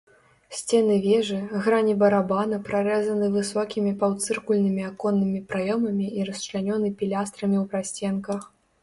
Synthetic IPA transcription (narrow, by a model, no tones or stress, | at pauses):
sʲt͡sʲɛnɨvʲɛʐɨɣɾanʲibɐɾabanɐpɾaɾɛzɐnɨvɨsɔkʲimʲipawt̪sɨrkulʲnɨmʲiakɔnːɨmʲipɾajɔmɐmʲiʔiɾɐst͡ʂlʲanʲɔnɨpʲilʲast̪ɾɐmʲiwpɾasʲt͡sʲɛnkɐx